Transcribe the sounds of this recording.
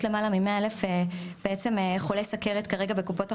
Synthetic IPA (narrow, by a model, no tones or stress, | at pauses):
tle̞malamimeaelefeb̥eet͡semeχolesakeʁet̪kaʁeɡabekupo̞ta